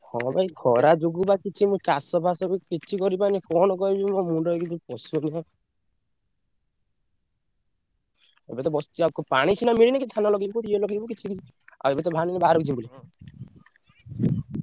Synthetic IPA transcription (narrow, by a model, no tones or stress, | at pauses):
hɔ̰̃bajɡʰʱɔɾad͡ʒoɡubakit͡ʃʰimũt͡ʃasɔbʱasɔkukit͡ʃʰikɔɾipanikɔnɔkɔibimɔmũɳɖɔkit͡ʃʰipɔsuniã | ḛbet̪ɔbɔst̪iakɔpaɽ̃it͡ʃʰinamiɭinakit̪ʰanalɔɡibɔkut̪ielɔɡibɔkit͡ʃʰiki | a̰ebet̪̬ɔbʱaninibaɾɔkit͡ʃʰibuli